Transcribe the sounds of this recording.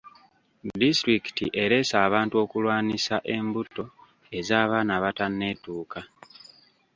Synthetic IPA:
distɾiki̥tḭʔe̞ɾe̞saːβaːntuo̞ːkulwaːnisaʔe̞mbutːo̞ | e̞zaːβaːnaβatanːe̞ːtuːka

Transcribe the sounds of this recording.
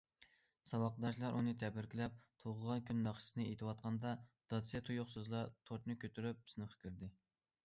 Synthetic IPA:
sɑwɑqd̪ɑʃlˠɑɾʔunɨt̪ʰɛbɪɾkʲilɛp̚t̪ʰoʁəʁɑnkʲynːɑχsɨnɨet̪ʰɨwɑt̪̚qʰɑnd̪ɑd̪̥ɑt̪sjɛt̪ʰujoχsuzlˠɑt̪ʰoɾt̪nɨkʲʰøt̪ʰyɾyp̚bɪ̥snɨχə̥kʲʰɪɾd̪ɪ

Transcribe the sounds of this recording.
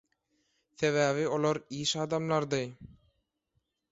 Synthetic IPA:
θeβæːβio̞lˠoɾiːʃɑːd̪ɑmlˠɑɾd̪ɯ

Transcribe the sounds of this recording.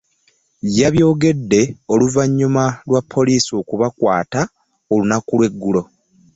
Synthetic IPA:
jaβjo̞ːɡe̞dːe̞o̞luvaɲːumalwapʰːo̞liːsio̞kuβakwaːta | olunakulwe̞ɡːulo̞

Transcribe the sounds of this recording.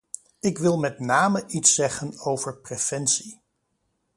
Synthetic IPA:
ɪkʋɪlˠmɛtnaːməʔitsɛχənowvəɹprev̥ɛnsi

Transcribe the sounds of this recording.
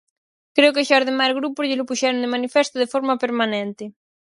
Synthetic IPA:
kɾeokeʃaɾðemajɾɣɾupʊʎɪlopuʃɛɾend̪emanifɛst̪oðefoɾmapeɾmanɛ̃nt̪ɪ

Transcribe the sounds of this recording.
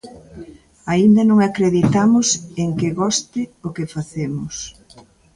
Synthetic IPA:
aind̪ɐnõŋakɾeðit̪amʊseŋkɪɣɔst̪ɪʊkɪfaθemʊs

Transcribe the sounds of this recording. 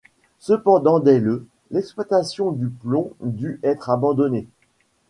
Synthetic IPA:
səpɑ̃d̪ɑ̃d̪ɛlə | lɛkspwat̪asjɔ̃d̪yplɔ̃d̪yɛt̪χabɑ̃d̪ɔne

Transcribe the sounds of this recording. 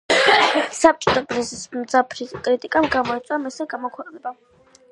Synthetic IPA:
sap̚t͡ʃʼit̪ʰʼɔbɾɛzismd̪zapʰɾikʼɾit̪ʼikʼamɡamɔit̪sʼwamɛsɛɡamɔkʰwɛqʼnɛba

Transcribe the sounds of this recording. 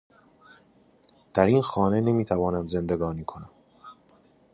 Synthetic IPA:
d̪̥æɾiːnxɒːnene̞miːt̪ʰævɒːnæmze̞nd̪e̞ɡɒːniːkʰo̞næm

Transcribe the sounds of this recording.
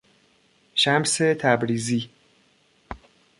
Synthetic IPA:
ʃæmset̪ʰæbɾiːziː

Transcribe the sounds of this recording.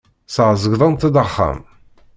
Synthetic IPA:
sʕzəɣðˤənt̪əd̪əχːa̰m

